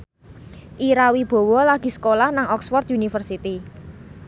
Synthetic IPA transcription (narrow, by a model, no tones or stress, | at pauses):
ʔiɾawib̥ɔ̤wɔlaɡ̥i̤sə̥kolahnaŋɔksfɔrt̪̚unifərsit̪i